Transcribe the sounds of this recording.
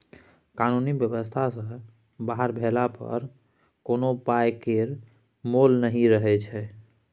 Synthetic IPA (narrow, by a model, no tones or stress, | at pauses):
kanunibjəbəst̪ʰasə̃ | baɦəɾbʱelapə̰ɾ | konopajkeɾ | molnəɦiɾəɦɛt͡ʃʰɛ